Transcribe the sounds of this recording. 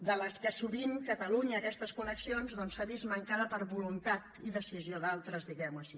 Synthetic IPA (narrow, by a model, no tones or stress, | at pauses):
d̪ələskəsuβiŋkət̪əluɲəːkɛst̪əskuləksionzðɔnsaβizməŋkaðəpəɾβulunt̪at̪iðəsizioðalˠt̪ɾəzðiɣɛwəʃi